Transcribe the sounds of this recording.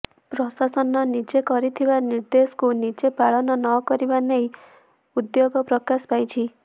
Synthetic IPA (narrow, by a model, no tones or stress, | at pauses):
pɾɔsasɔnɔnit͡ʃekɔɾit̪ʰibaniɾd̪esɔ̥kunit͡ʃepaɭɔnɔnɔkɔɾibanej | ud̪joɡɔpɾɔkaspajt͡ʃʰi